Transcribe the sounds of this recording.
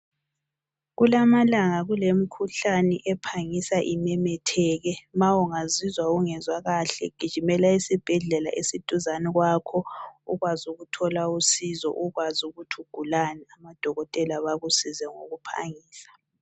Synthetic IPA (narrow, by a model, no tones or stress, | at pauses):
ɣulamalaŋaɣulem̩kʰuɬanɛʔɛpʰaŋisaʔimɛmɛtʰɛːɣɛmawuŋazizwaɣuŋɛzwaɣaɬɛ̰ɡ̥ʱi̥ʒ̥ʱimɛlaisib̥ʱɛɮɛla̰ʔesid̥ʼʱuzanɛɣwakʰɔuɣwazuɣutʰɔlausizɔ̰ʔuɣwazuɣutʰuɡ̥ʱulanɛamad̥ʱɔɣɔtʼɛlaβaɣusizɛŋo̰ɣupʰa̰ŋiːsḁ